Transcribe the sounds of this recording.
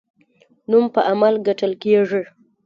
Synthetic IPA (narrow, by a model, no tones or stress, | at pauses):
numpəʔamalɡaʈəlkeʐi